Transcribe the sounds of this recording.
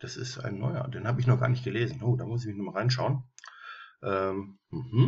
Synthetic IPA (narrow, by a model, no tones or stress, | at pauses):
d̥asɪ̰stʔa̰ɪnːɔʏɐ̰d̥eːnhaːbəɪçnɔχɡ̥a̰ːɐnɪçtɡ̥əleːzn̩ʔoːdaːmʊs̬ɪçmɪçnɔχmaʁaɪnʃaʊən | ʔɛːmm̩hm̩